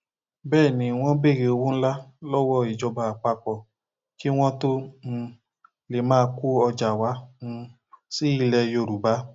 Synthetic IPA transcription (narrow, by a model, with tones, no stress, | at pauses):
bɛː˦˨nĩ˨˦w̃ɔ̃˦be˦˨ɾe˧o˧wũ˦n̩˦la˦lɔ˦wɔ˦i˨d͡ʒɔ˧ba˧a˨k͡pa˧k͡pɔ˧˨ | ki˦w̃ɔ̃˦tõ˦˧ | le˨mãː˦ku˦ɔ˧d͡ʒa˨wã˨˦˧ | si˦i˦˨lɛ˧jo˧˨ɾu˨ba˨˦